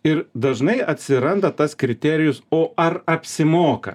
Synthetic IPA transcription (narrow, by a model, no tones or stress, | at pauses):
ɪɾd̪ɐʒnɐɪɐt̪ʲsʲɪɾɐnd̪ɐt̪ɐskɾʲɪt̪ʲæːɾʲɪjʊsoːʔɐɾɐpʲsʲɪmoːkɐ̰